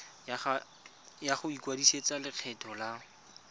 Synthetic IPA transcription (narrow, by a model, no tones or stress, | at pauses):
jaχʊikwadiset͡salɪq͡χʰɛtʰɔla